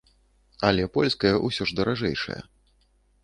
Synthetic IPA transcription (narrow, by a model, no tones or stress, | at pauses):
alʲɛpɔlʲskɐjɐʔusʲɔʐd̪ɐɾaʐɛjʂɐ̰jɐ̰